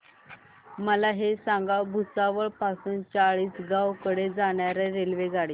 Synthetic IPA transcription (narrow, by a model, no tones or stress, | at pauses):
məlaɦesãŋɡawbʱusaʋəɭpasuːnt͡saɭiːsɡawkəɽed͡zaɳ̃jaɾɛɾelʋed͡zaɽiː